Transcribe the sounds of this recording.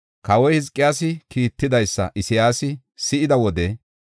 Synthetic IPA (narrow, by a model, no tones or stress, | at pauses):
kɐwɔjhɪzkʼːɪjaːsɪkiːt̪ːɪd̪ɐjsːɐ̰ʔɪsɪjaːsɪ | sɪʔɪd̪ɐwɔd̪ɛ